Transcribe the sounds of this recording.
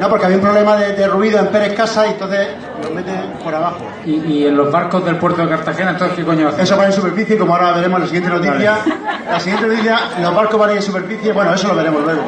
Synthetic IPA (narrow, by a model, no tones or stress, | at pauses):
no̞pokeaβiaumpɾole̞maðed̪eruiðoempe̞ɾehkasaient̪onθe̞ | lo̞ɦme̞t̪eŋpoɾaβaxo | iienlo̞βaɾkoðe̞lpwe̞ɾt̪oekaɾt̪axenaent̪ookekoɲoaθes̬oβanẽensupeɾfiθjekomoaoɾaβeɾe̞molasiɣjeeno̞t̪iθjalasiɣent̪enot̪iθjalo̞βaɾkoβanẽensupe̞ɾfiθjebwenoesoloβe̞ɾe̞mozβeɾ